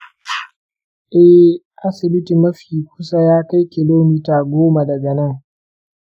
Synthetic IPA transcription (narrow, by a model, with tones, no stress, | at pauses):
ʔɛ˦h | ʔa˦sɪ˨bɪ˦ti˨mɐ˦ɸiː˨kʷʊ̥˦sa˦jaː˦ka˦jkʲɪ˨loː˦miː˦taː˨ɡʷoː˦ma˨dɐ˨ɡɐ˨nɐ˦ŋ